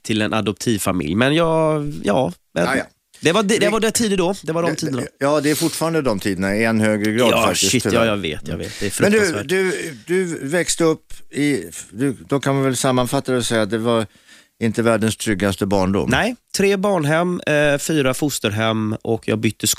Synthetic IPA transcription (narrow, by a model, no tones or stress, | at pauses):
t̪ʰɪlɛnʔa̰d̪ɔp̚t̪ʰiːvfamɪ̰ljmɛnjɑːɡjɑː | vɛ̰ | d̪ɛvadd̪ɛvaɖɛt̪ʰiːd̪əd̪ɔːd̪ɛvaɖɔmt̪ʰiːd̪ənajɑːd̪ɛæɾfʊʈːfɑːɾand̪əd̪ɔmt̪ʰiːd̪ənaɛnhøːɡɾəɡɾɑːɑfakʃɪsɪt̪jɑːjɑvḛːt̪ʰjɑ̰vḛːt̪̚d̪ɛːfɾɵmɛnk̪d̪asvæd̪ɵd̪ɵvɛkst̪əɵpːɪd̪ɵd̪ɔkʰanvavɛlsamːanfat̪ːad̪ɛsɛjat̪̚d̪ɛvaɾ | ɪnt̪əvæːɖənst̪ʰɾʏɡːast̪əbɑːɳɖʊ̰mnɛɪt̪ʰɾeːbɑːɳɦɛmːfyːɾafʊst̪əɾɦɛmːʔɔkʰːjɑ̰ɡbʏt̪ːəs